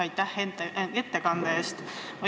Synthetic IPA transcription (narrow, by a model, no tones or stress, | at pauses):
ɑjt̪ːˑæhent̪et̪ːekɑnd̪̥ɑeːst̪ | o